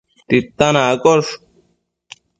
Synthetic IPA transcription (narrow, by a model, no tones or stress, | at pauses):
t̪it̪ːanakɔʂ